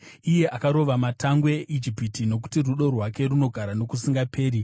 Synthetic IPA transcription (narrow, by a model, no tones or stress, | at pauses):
ije̞ʔakaɾo̞ʋamataŋɡweʔid͡ʒipitino̞k̬u̥tiruɗo̞rwake̞ɾuno̞ɡʱaɾano̞kusiŋɡapʰe̞ːɾi